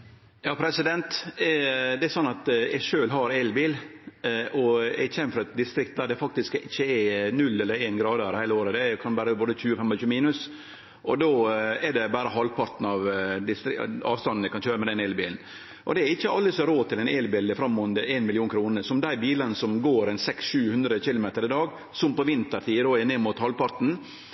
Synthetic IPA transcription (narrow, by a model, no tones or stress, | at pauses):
jɑːpʰɾɛsɪd̪ɛnt̪ | d̪ɛɛɾsɔnːɑt̪jɛʃøːlɦɑɾeɪlbiːl | ʔɔɛçɛnfɾɔt̪d̪ɪst̪ɾɪk̚t̪̚d̪æːɖ̪ɛfɑk̚t̪ɪskɪçːəɛnʉlːɛlːəɾenɡɾɑːd̪əɾhæɪləoːɾəd̪ɛkʰɑnbæːɾəboːd̪əçʉːəfɛmɔlçʉːəmiːnʉs | ʔɔ̰d̪oːɛɖɛbæːɾəɦɑlpʰɑɾt̪n̩ɑʋd̪ɪst̪ɾɑːʋst̪ɑnəkʰɑnçøːɾəmɛd̪ɛneːlbiːln̩ | ʔɔ̰d̪ɛɛɾɪçːəʔɑlːəsɔɾoːt̪ɪlɛneːlbiːləfɾɑmːʊnd̪əʔɛnmɪlɪuːnkʰɾuːnəsɔmd̪æɪbiːlənsɔmɡoːɾɛnsɛksʂʉːhʉnd̪ɾəçɪlʊmeːt̪əɾɪd̪ɑːɡ | sɔmpɔʋɪnt̪əɾt̪ʰiːəd̪oːɛneːmʊt̪hɑlpɑɾt̪n̩